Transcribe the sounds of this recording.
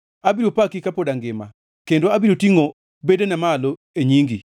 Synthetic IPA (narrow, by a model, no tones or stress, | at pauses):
abiɾopakikapodaŋɡɪma̰ | kendoabiɾotiŋo | bedenɛmalo | eɲiŋɡi